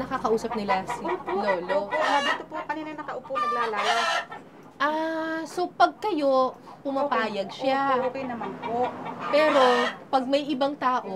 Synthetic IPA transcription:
nɐkakɐʔuːsɐp̚nɪlasioloːloʔad̪iːt̪opoɐkɐniːnɐnɐkɐʔʊpunɐɡlaːlaːja | ʔaso̞pɐɡ̚kɐjo̞pʊmɐpaːjɐɡ̚ʃaokɐjnɐmanpoʔpɛːɾo̞pɐɡ̚mɐjʔɪbaŋt̪aːʔo

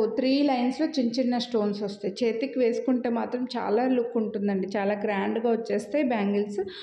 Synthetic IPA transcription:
t̪ɾiːlɐjnslo̞ːt͡ʃiɲt͡ʃinːɐsʈo̞ːnsɔst̪ajit͡ʃeːt̪ikːiʋe̞ːsu̥kuɳʈe̞ːmaːt̪ɾɐmt͡ʃa̰ːlaːlukːuɳʈund̪ɐɳɖit͡ʃaːlaːɡɾaːɳɖɡaːʋɐt͡ʃːeːst̪aːibaːŋɡils

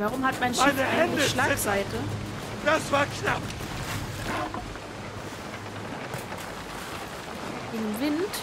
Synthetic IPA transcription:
vaʁʊmhatmaɪnʃaɪnəaɛəəʃlaːkz̥aɪtə | d̥asv̥aːɐknap | ʔɪmvɪnt

